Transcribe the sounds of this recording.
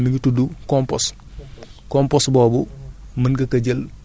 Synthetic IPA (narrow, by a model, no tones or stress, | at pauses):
miŋɡitudukɔmpɔ̰s | kɔmpɔsbɔːbumɐnɡɐkɐɟɐl